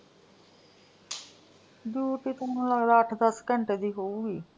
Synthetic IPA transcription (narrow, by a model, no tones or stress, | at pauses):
djuːʈit̪oʊnlaɡd̪aəʈʰd̪əskəɳʈed̪iːɦouɡiː